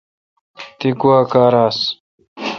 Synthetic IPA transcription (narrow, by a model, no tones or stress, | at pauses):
t̪iɡuwaːkaːɾaːs